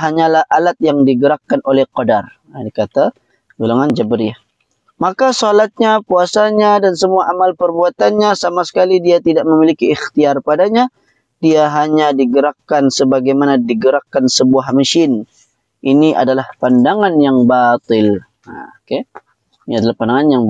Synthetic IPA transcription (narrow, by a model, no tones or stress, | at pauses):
ɦaɲalahʔalat̪̚jaŋdiɡəɾakːanolɛhqodar | ikat̪a | ɡolaŋand͡ʒabəɾiah | makasolat̪̚ɲapuasaɲadansəmuaʔamalpərbuat̪anɲasamasə̥kalidiat̪idaʔməmilikiːxt̪iarpadaɲa | diaɦaɲadiɡəɾakːansəbaɡajmanadiɡəɾakːansəbuahmaʃɪn | ʔiniʔa̰dalahpandaŋanjaŋbat̪ɪl | ke | iniadalahpandaŋanjaŋ